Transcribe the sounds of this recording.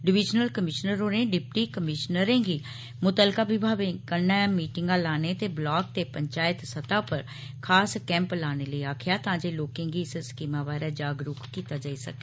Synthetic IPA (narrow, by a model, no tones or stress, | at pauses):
ɖɪʋɪd͡ʒnəlkəmɪʃnəɾɦoːɾẽːɖɪp̚ʈiːkəmɪʃnəɾẽːɡiː | mʊt̪əlkaːbɪbʱaːʋẽkənɛːmiːʈɪŋɡãːlaːneːt̪eːblaːk̚t̪eːpəɲt͡ʃaːɪt̪sət̪aːpəɾ | kʰaːskɛ̃ːmplaːneːləiːaːkʰɪjaːt̪ãːd͡ʒeːloːkẽːɡiːɪsskiːmãːbaːɾɛːd͡ʒaːɡɾʊkkiːt̪aːd͡ʒaːisə̰k̚eː